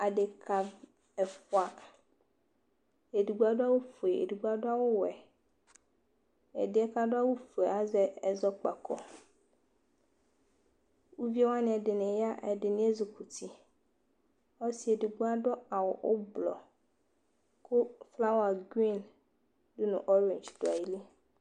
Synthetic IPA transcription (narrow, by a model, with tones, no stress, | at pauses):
a˨ɖe˨kʰa˨ | ɛ˨fɔ˨a˨ | e˨du˨ɡ͡bu˦a˦ɖo˦a˦wo˦fu˨e˨ḛ˨du˨ɡ͡bu˦a˦ɖo˦a˦wo˦wɛ˨ | ḛ˨de˨˦ɛ˦ka˨ɖo˦a˦wo˦fu˨e˨a˨zɛ˦ɛ˨zɔ˦k͡pa˨kʰɔ̰˨ | wu˦vi˦a˦wa˦nĩ˨ɛ˨de˨nẽ˨ja˦ʔɛ˨dɪ˨nĩ˦e˦zo˨ku˨tʰi˨ | ɔ˦si˨˦e˨di˨ɡ͡bu˦a˦ɖɔ˦a˨wɔ˨ʔo˦blɔ̰˨ | ko˦fla˦wa˨ɡi˦˨n | dʊ˦nʊ̰̃˨ʔɔ˦ɾe˨nd͡ʒto˨a̰˨ji˨˦li˦